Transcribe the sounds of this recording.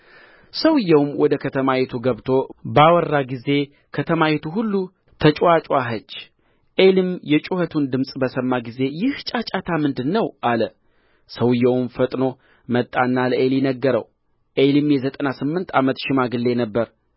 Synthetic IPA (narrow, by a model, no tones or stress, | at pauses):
səwɨjːɛwmwɔd̪əkʰət̪ʰəmajɛt̪ʰuɡəβt̪ʰo̞bawɔrːaɡize̞ | kʰət̪ʰəmajet̪ʰuɦulːu | t̪ʰət͡ʃʼwat͡ʃʼwaɦət͡ʃː | ʔelɨmjɛt͡ʃʼuhət̪ʰund̪ɨmsʼbəsəmːaɡize̞jɪht͡ʃʼat͡ʃʼat̪ʰamɨnd̪ɨnːəwʔalə | səwɨjːɛwmfət̪ʼno̞ | mət̪ʼːanːaləʔeljɛnəɡːəɾə̰w | ʔelɨmjɛzət̪ʼənasɨmːɨnt̪ʰamət̪ʃɪmaɡɨlːe̞nəbːəɾ